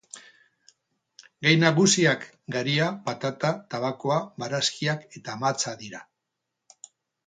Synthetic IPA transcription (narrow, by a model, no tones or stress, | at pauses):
ɡajnaɣusiak | ɡaɾiapat̪at̪at̪aβakoaβaɾaskiake̞t̪aːmat͡saðiɾa